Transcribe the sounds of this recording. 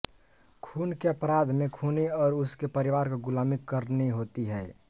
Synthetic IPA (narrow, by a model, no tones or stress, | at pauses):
kʰuːnkeəpɾaːd̪ʱmẽkʰuːniɔːɾʊskepəɾiʋaːɾkoɡʊlaːmikːəɾniɦoːt̪iɦɛː